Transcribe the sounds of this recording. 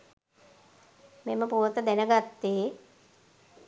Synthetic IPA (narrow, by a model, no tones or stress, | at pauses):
meməpuʋət̪əd̪ænəɡat̪ːeː